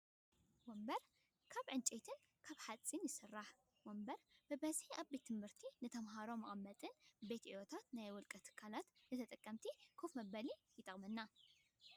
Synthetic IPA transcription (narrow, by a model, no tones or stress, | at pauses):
wombɐɾ | kʰaβʕɨnt͡ʃʼet̪ʰɨn | kʰaβħat͡sʼinjɪsɨrːaħ | wombɐɾbɨbɐzihʔaβbet̪ʰːɨmhɨɾt̪ʰinɨt̪ʰɐmɦaɾo̞mɐχʼmːɐt̪ʼɨnbe̞t̪ʔiwot̪ʰat̪najwʊlkʼɐt̪ʰːɨ̥kʰːalat̪nɨt̪ʰɐt̪ʼɐkʼːɐmt̪ʰikʰofmɐbɐlijɪt̪ʼɐ̰mɐnːa